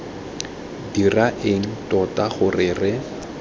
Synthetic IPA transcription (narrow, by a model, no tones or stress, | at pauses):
diraʔeŋ̩tʼɔtaχʊrɪrɪ